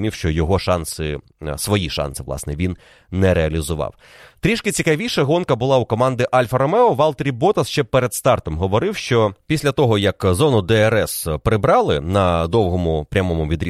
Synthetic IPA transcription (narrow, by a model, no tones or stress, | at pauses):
mʲiwʃt͡ʃɔjɔɦɔʃɑnsɪ | sʋɔjiʃɑ̰nsɪʋlˠɑ̰snɛʋʲinː | ɛɾeɐlʲizʊʋɑ̰w | t̪ɾʲiʃkɪt͡sʲikɐʋʲiʃɐɦɔnkɐbʊlˠɑukɔmɑnd̪ɪʔɑlʲfɐɾɔmɛɔʋɑlˠt̪ɾʲibɔt̪ɐsʃt͡ʃɛpeɾed̪st̪ɑrt̪ɔmɦɔʋɔɾɪwʃt͡ʃɔpʲisʲlʲɐt̪ɔɦɔjɐkzɔnʊd̪ɛɛɾɛspɾɪbɾɑlˠɪnɐd̪ɔwɦɔmʊpɾʲɐmɔmʊʋʲid̪ɾʲi